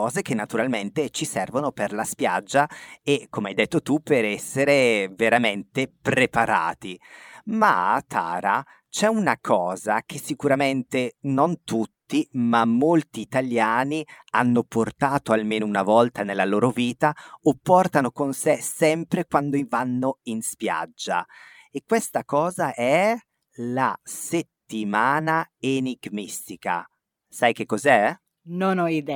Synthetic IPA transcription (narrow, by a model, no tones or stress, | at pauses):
ɔːzekenːat̪uɾalment̪et͡ʃisɛrvonoperlaspja̰d͡ʒːaekːomeajd̪et̪ːot̪upeɾɛsːeɾeveɾament̪epɾepaɾa̰ːt̪ima̰t̪ʰa̰ːɾa | t͡ʃɛunakʰɔːzak̟ʰesːikuɾament̪enont̪ut̪ːimamːolt̪iːt̪aljaːnianːoport̪aːt̪oalmeːnounavɔlt̪anelːaloːɾoviːt̪aopːɔrt̪anokonsesɛmpɾekwand̪oivanːoinspja̰d͡ʒːa̰ | ekːwest̪akɔːzaʔɛ | laset̪ːimaːnaeniɡmist̪ika̰ | sajk̟ekːozɛ | nonɔid̪ɛ